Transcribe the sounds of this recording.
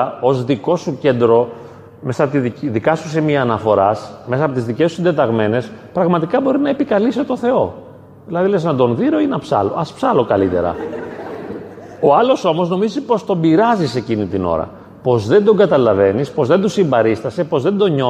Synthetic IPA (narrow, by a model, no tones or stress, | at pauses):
o̞zðiko̞suce̞nd̪ɾo̞ | me̞sɐpt̪iðikɐsusemiɐːnɐfo̞ɾɐsme̞sɐːpo̞t̪izðicesu̥sind̪e̞t̪ɐɣme̞ne̞spɾɐɣmɐt̪ikɐbo̞ɾinɐepikɐliset̪o̞θe̞o̞ | ðilɐðileznɐd̪o̞nðiɾo̞inɐpsɐ̰lo̞̰ʔɐspsɐlo̞kɐlit̪e̞̰ɾɐ̰ | o̞ɐlo̞so̞mo̞zno̞mizipo̞st̪o̞mbiɾɐzise̞cinit̪ino̰ɾɐ̰ | po̞zðe̞nd̪o̞ŋɡɐt̪ɐlɐve̞nispo̞zðe̞nd̪usimbɐɾist̪ɐse̞po̞zðe̞nd̪o̞ɲo